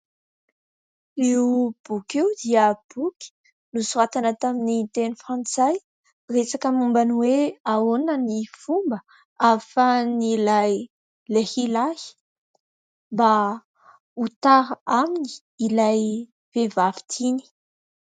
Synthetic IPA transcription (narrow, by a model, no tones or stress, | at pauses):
eub̥ukewd̪iəb̥ukʲi̥ | nusuat̪anət̪aminit̪enifãnt͡saj | resakəmumbaniweaonənifumbə | afənilaj | lehilahi̥ | mba | ut̪aɾaamini̥ː | laj | v̥evavi̥t̪ʰini̥